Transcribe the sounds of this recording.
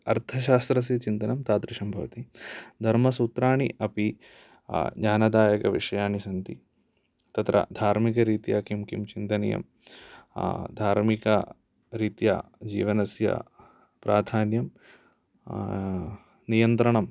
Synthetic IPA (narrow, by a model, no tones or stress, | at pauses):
ɐɾt̪ʰɐʃaːst̪ɾɐs̬it͡ʃint̪ɐnɐmt̪aːt̪ɾɪʂɐmbʱɐʋɐt̪id̪ʱɐɾmɐsuːt̪ɾaːɳiʔɐpi | d͡ʒaːnɐd̪aːjɐkɐʋiʂɐjaːnisɐnt̪i | t̪ɐt̪ɾɐ̰d̪ʱaːɾmikɐɾiːt̪jaːkimkimt͡ʃint̪ɐnḭjɐ̰m | d̪ʱaːɾmikɐ | ɾiːt̪ja̰ːd͡ʒḭːʋɐnɐsjɐ̰ | pɾaːd̪ʱaːnjɐm | nijɐnt̪ɾɐɳɐm